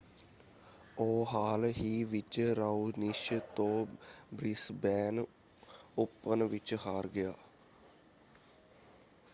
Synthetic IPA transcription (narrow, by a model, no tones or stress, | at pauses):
oːɦaːlɦiːʋɪt͡ʃɾaunɪʃt̪õːbɾɪsbɛːn | ʊpːənʋɪt͡ʃhaːɾɡɪjaː